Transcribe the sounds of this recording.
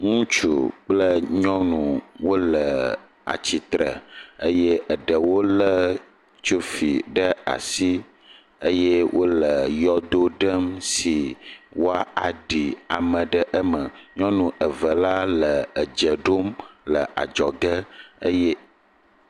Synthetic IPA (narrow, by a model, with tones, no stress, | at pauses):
ŋũ˦t͡ʃṵ˨k͡plə˦ɲɔ̃˦nũ˨wo˦lə˨ | a̰˨t͡ɕi˨t̪ɾə̰˨ə˦je˦ʔə˨ɖə˨wo˦lə˦ | t͡ʃu˦fi˨ɖə˦a̰˨si˦ | ə˦je˦wʔo˦lə˨jɔ˦d̪o˦ɖə˦msi˨wo˦a˦a˨ɖi˨a˨mə̃˨ɖə˦ʔə˦mə˨ɲɔ̃˦nũ˨ʔə˨və˨la˦lə˨ə˨d͡ʒə˨ɖo˦mlə˨ʔa̰˨d͡ʒɔ˨ɡə˦ə˦jɛ˦